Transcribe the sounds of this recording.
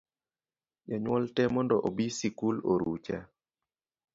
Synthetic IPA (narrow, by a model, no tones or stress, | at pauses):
jaɲwɔltɛmɔndɔʔobisikuloɾṵt͡ʃa